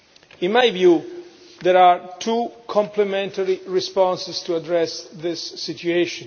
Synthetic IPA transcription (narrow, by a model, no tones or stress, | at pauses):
ɪ̃nmajvju | d̪ɛɹaɹtʰukʰɔ̃mplɛmɛ̃ntəɹiɹispɔ̃nsɪstuadɹɛsðɪsːitueʃɔ̃n